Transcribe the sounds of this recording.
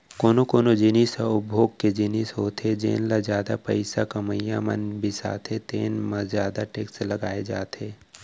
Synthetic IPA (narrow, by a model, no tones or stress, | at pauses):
koːnokoːnod͡ʒɪnisaʊbʱoːɡ̚ked͡ʒɪnisɦoːt̪ʰed͡ʒḛːnlazjaːd̪a̰pəɪsakɐməjamə̰nbʱisa̰ːt̪ʰet̪eːnməzjaːd̪aʈeːksləɡaːed͡ʒaːt̪eː